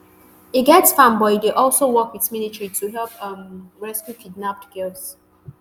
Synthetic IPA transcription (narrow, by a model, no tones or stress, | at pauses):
iɡɛtsfãmbɔɪdeʔɔlˠsowɔkwitmilitɹitʰuɦɛlpʌmɹɛskjukʰidnap̚tɡ̥ɛls